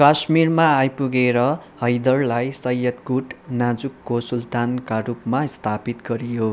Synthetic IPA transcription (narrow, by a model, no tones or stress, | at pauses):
kasmirmaːjpuɡeɾʌhʌjd̪ʌrlajsʌjːʌt̪ɡuʈnad͡zukːosult̪ankarupmast̪ʰapit̪ɡʌɾijo